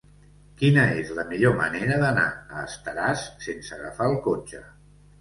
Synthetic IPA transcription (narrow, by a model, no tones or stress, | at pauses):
kinəezləmiʎomə̰neɾəðəna̰əːst̪əɾasːensəɣə̰faəlˠkot͡ʃə